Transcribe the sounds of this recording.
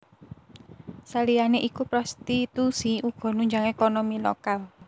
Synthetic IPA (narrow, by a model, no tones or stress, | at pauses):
salijaneʔikupɾɔst̪it̪usiuɡ̥ɔ̤nuɲd͡ʒaŋekɔnomilɔ̰kal